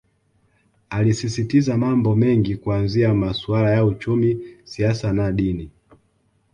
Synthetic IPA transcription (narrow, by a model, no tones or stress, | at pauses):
alisisitizamambɔmɛŋɡikuanziamasualajaut͡ʃumisiasanaɗini